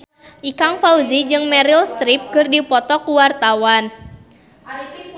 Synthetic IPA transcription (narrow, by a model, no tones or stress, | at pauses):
ʔikaŋfauzid͡ʒɨŋmɛɾilst̪ɾip̚kɨrdipɔt̪ɔkuwart̪awan